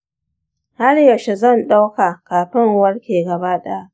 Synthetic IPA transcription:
ha˦rja˨ʃe˨zɐ˦˨nɗa˦wka˨kaː˨ɸɪ˦ŋwɐ˦rkʲeː˨ɡɐ˨baː˦ɗa˦ʔ

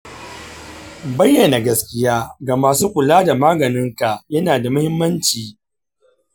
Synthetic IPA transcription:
bɐ˦jːɐ˨na˨ɡɐ˦skʲɪ˦jaː˦ɡa˨maː˨suː˦kʷʊ˨laː˦da˨maː˦ɡɐ˨nɪ˦ŋka˨ʔjɐ˦naː˨da˨mʊ˦hɪ˦mːɐ˦nt͡ʃiː˨

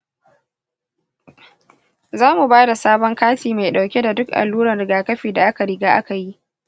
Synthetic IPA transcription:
zaː˦mu˨baː˦da˨saː˦bɔ˦ŋkaː˦tiː˨ma˨jɗa˨wkʲe˦da˨dʊ˦kʔa̰˨lːuː˦ɾɐ˨nɾɪ˨ɡaː˨kɐ˦ɸiː˨da˨ʔa˦ka˨ɾɪ˨ɡaː˦ʔa˦ka˨ji˦ʔ

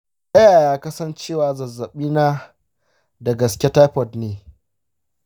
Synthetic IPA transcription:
sɐ˦jaː˨jaː˦kɐ˦sɐ˦nt͡ʃeː˦˨waː˨zɐ˨zːɐ˨ɓiː˦na˦ | da˨ɡɐ˨skʲe˦ta˦jɸɔ˦˨dneː˨

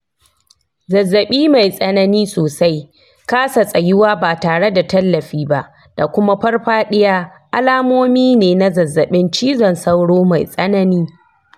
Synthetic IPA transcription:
zɐ˨zːɐ˨ɓiː˦ma˨jsʼɐ˦nɐ˦niː˦soː˨sa˦j | kaː˦sa˨sʼɐ˨jɪ˦waː˦baː˨taː˨ɽe˦da˨tɐ˦lːɐ˨ɸiː˦ba˦ʔ | d̥a˨kʷʊ˦ma˦ɸɐ˦rɸaː˦ɗɪ˦jaː˦ | ʔa˦laː˦moː˦miː˦neː˨na˦zɐ˨zːɐ˨ɓɪ˦nt͡ʃiː˦zɔ˨nsa˦wɽoː˦ma˨jsʼɐ˦nɐ˦niː˦

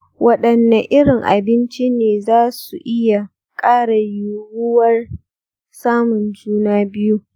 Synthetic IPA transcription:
wʔɐ˦ɗɐ˨nːa˨ʔɪ˦ɾɪ˨ŋʔa̰˨bɪ˦nt͡ʃi˦neː˨zaː˦su˨ʔɪ˦ja˨ | kʼaː˦ɽa˨jʊ˨ɽʊ˦wɐ˦r | saː˦mʊ˨nd͡ʒuː˦naː˦bɪ˦ju˦

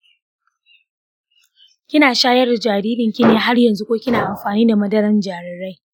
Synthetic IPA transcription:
kʲɪ˦naː˨ʃaː˦jɐ˦rda˨d͡ʒaː˨ɾiː˦dɪ˨ŋkʲɪ˦neː˦ɦa˦rjɐ˨nzu˦kʷoː˦kʲɪ˦naː˨ʔa˨mɸaː˨niː˦da˨mɐ˦dɐ˦ɾɐ˦nd͡ʒaː˨ɽɪ˨ɽa˦j

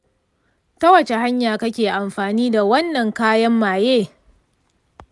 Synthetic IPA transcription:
tɐ˦wɐ˨t͡ʃe˨ha˦ɲjaː˨kɐ˦kʲeː˨ʔa˨mɸaː˨niː˦da˨wɐ˦nːɐ˨ŋkaː˦jɐ˦mːaː˨jeː˦˨

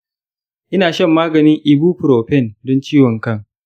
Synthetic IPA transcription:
ʔɪ˦naː˨ʃɐ˦mːaː˦ɡɐ˨nɪ˦ŋʔɪ˨buː˦ɸʊ˨ɾoː˨ɸɛ˦˨ndɔ˦nt͡ʃiː˦wɔ˨ŋkɐ˦ŋ

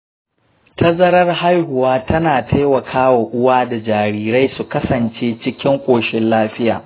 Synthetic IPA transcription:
tʰɐ˦zɐ˦ɾɐ˦rha˦jhʊ˨waː˦tʰɐ˦naː˨tʰa˦jwɐ˨kʰaː˦wa˨ʔʊ˦waː˦da˨d͡ʒaː˨ɾiː˦˨ɾa˦jsu˨kɐ˦sɐ˨nt͡ʃeː˦t͡ʃɪ˦kʲɪ˦ŋkʷʼoː˨ʃɪ˦nlaː˦ɸɪ˦ja̰ː˨

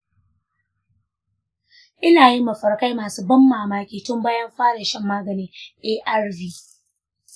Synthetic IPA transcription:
ʔɪ˦naː˨ji˦mɐ˨ɸɐ˨rka˦jmaː˨suː˦bɐ˦mːaː˨maː˦kʲiː˨tʊ˦mbaː˦jɐ˦mɸaː˦ɽɐ˨ʃɛ˦˨mːaː˦ɡɐ˨niː˦ʔeː˦ʔa˦rviː˦

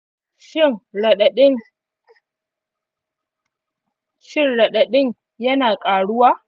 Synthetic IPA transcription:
ʃɪ˦˨ŋɽɗɗɪ˦ | ʃɪ˦nɽɐ˨ɗa˨ɗɪ˦ŋ | jɐ˦naː˨kʼaː˨ɽʊ˦waː˦

